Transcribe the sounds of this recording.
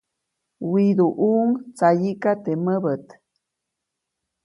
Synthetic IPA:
wid̪uʔuŋt͡sajikat̪eməbət̪

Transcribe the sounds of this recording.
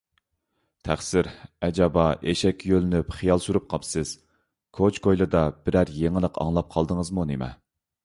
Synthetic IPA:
t̪ʰæχsɪɾɛd͡ʒɑbɑʔeʃɛkʲːjølɪnypχijɑlˠsuɾup̚qʰɑpsɨz̥ | kʰot͡ʃkʰojlˠɨd̪ɑb̥ɪɾæɾjeŋəlˠəqʰɑ̰ŋlˠɑp̚qʰɑlˠd̪əŋəzmunemɛ̰

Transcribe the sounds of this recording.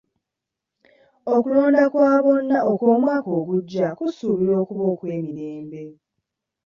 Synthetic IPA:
okulo̞ːndakwaːβo̞nːaokwoːmwaːko̞ːɡuɟːakusuβiɾo̞ːkuβo̞ːkwe̞ːmiɾeːmbe̞

